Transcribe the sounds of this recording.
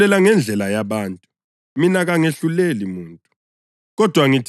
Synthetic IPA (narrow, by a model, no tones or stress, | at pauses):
ɛlaŋɛnd͡ɮʱɛlajaβaːntʼu | minaɣaŋeɬulelimuːntʼu | ɣɔd̥ʱwaŋitʰ